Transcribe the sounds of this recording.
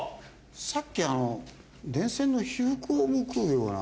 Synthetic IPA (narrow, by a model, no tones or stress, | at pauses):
sakʲːiano | d̪ẽ̞ɰ̃sẽ̞nːo̞çihɯkɯomɯkɯɯ̟jo̞ːna̰